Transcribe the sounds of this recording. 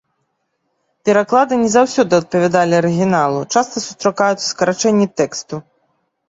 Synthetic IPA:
pʲɛɾaklˠad̪ɨnʲɛzawsʲɔd̪ɨɐt̪̚pɐvʲɛd̪alʲiɐɾɨɣʲinalˠut͡ʂast̪ɐsust̪ɾakajut̪sɐ̥skɐɾat͡ʂɛnʲːit̪ɛkst̪u

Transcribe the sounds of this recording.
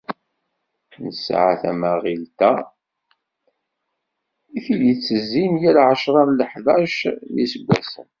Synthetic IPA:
nəsʕa̰θæ̰maʁilt̪æ | iθiljət͡sːəzːinjælʕəʃɾˤɑɾləħðˤɑʃmisəɡʷːæsə̰n

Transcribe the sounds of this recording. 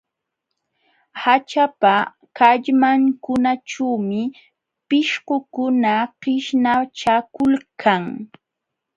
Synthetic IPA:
hat͡ʃapa | kaʎmaŋkʊnaʈ͡ʂaːmɪ | pɪʃɢʊkʊnaɢɪʃnaʈ͡ʂakʊlkʰaŋ

